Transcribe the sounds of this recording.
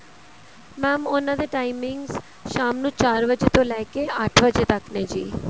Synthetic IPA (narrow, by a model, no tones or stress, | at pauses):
mɛːmʊnãd̪eːʈaːɪmɪ̃ŋɡz | ʃaːmnũːt͡ʃaːɾʋəd͡ʒet̪õːlɛːkeəʈʰʋəd͡ʒet̪əkneːd͡ʒiː